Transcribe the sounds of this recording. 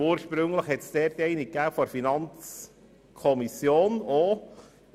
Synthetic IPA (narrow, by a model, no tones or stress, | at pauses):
uːɾʃpɾʏŋləχhɛt̪sd̥eːɾd̪ɛɪnɪɡɡ̥aʊfɔɾfinɑnt͡s | kʰɔmisjoːno